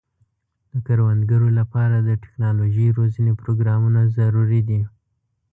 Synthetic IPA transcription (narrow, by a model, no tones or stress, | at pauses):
d̪̥əkaɾwand̪ɡaɾolapɑɾad̪əʈɪ̥knɑloʒəjɾozənepɾoɡɾɑmunazaɾuɾid̪i